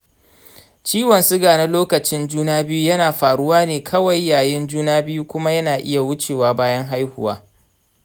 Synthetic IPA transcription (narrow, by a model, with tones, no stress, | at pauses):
t͡ʃiː˦wɐ˨nsʊ˦ɡaː˨na˦loː˦kɐ˨t͡ʃɪ˦nd͡ʒuː˦naː˦bɪ˦ju˦jɐ˦naː˨ɸaː˨ɽʊ˦waː˦neː˨kʰɐ˦wɐ˨jːaː˨jɪ˦nd͡ʒuː˦naː˦bɪ˦ju˦kʷʊ˦ma˦jɐ˦naː˨ʔɪ̰˦ja˨wʊ˦t͡ʃeː˨waː˦baː˦jɐ˦ŋɦa˦jhʊ˦wa̰ː˦